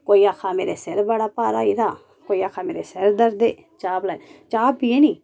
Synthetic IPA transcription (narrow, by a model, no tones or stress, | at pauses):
koːiːaːkʰaːmeːɾeseɾbəɽaːpaːɾaːiɾaː | koːiːaːkʰaːmeːɾeseɾd̪əɾd̪eː | t͡ʃaːblaːt͡ʃaːbieːniː